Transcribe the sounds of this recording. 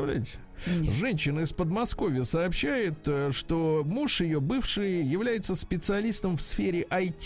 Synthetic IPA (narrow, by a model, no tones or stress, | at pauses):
vlʲæ̰tʲ | ʐɛnʲɕːɪnəɪspəd̪mɐsko̞vʲɪjəsɐːpɕːæjɪt̪ʂt̪omuʂjɪjobɨfʂɨjjɪvlʲæjɪt̪səspʲɪt̪sɨɐlʲist̪əmfsfʲeɾʲɪʔɐjtʲ